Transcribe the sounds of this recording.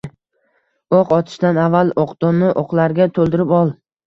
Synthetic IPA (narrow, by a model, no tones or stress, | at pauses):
oqɒt̪ʰɪ̥ʃt̪anavːalˠoqd̪̥omɪʔoqlˠaɾɡʲat̪ʰolˠd̪ɪɾɪpɒlˠ